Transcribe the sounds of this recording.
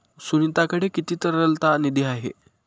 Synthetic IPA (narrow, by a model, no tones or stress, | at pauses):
sunit̪akəɽekit̪iːt̪əɾəlt̪anid̪iaɦḛ